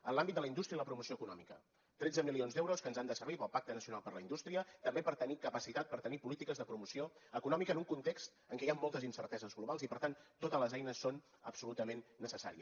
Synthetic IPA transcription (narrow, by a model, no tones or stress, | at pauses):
ənlˠambit̪d̪ələind̪ust̪ɾiəiləpɾumusioəkunɔ̰mikə | t̪ɾedd͡zəmilionzd̪ɛwɾoskənzand̪əsəɾβ̞ipəlˠpak̚t̪ənəsiunalˠpəɾlə̰ind̪ust̪ɾiət̪əmbepəɾt̪ənikəpəsit̪at̪̚pəɾt̪ənipulit̪ikəzðəpɾumusioəkunɔmikəːnuŋkunt̪ekst̪ | əŋkɛjammːolˠt̪əzinsəɾt̪ɛzəzɣluβalˠzipəɾt̪ant̪ot̪əzləzɛjnəsːon | ə̰psulut̪əmenːəsəsa̰ɾḭə